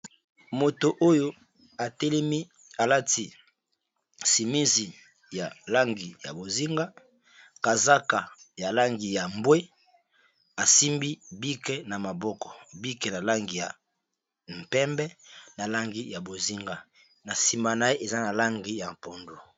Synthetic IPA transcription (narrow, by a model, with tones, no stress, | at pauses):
mo˨to˨ʔo˦jo˦ | a˨te˦lɛ˦mi˦ | a˨la˦ti˨ | si˨mi˦zi˨ | ja˨la˦ŋɡi˨ja̰˨bo˨zi˦ŋɡa˦ | ka˨za˦ka˨ja˨la˦ŋɡi˨ja˨mbwe˦ | a˨si˦mbi˦bi˦kɛ˦na˨ma˨bɔ˦kɔ̥˨bi˦kɛ˨na˨la˦ŋɡi˨ja̰˨ | m̩˨pɛ˦mbɛ˦na˨la˦ŋɡi˦ja˨bo˨zi˦ŋɡa˦ | na˨si˨ma˨na˦e˦ʔe˨za˦na˨la˦ŋɡi˦ja˨m˨po˨ndo˨